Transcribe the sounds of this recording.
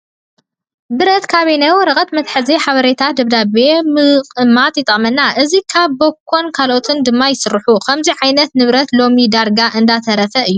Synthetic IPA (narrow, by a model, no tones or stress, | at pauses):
bɨɾɐt̪kʰaβenajwɔɾɐkʼɐt̪mɐt̪ħɨziħaβɐɾet̪ʰat̪̚d̪ɐβd̪aβe̞mɨqʼɨmːat̪jɪt̪ʼɐqʼmɐnːaʔɨzikʰaβːokʰːo̞nkʰalʔot̪ʰɨnd̪ɨmːajɪsɨɾħukʰɐmziʕajnɐt̪nɨβɾɐt̪lo̞mid̪aɾɡaʔɨnd̪at̪ʰɐɾɐfɐʔɨjːu